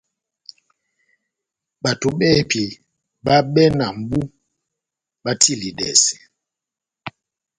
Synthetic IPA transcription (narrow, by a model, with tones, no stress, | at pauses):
ɓa˨to˨ɓɛ˦˨pi˨ | ɓa˦ɓɛ˦na˨m̩˨bu˦ | ɓa˦tʰi˦˨li˨dɛ̰˨si̥˨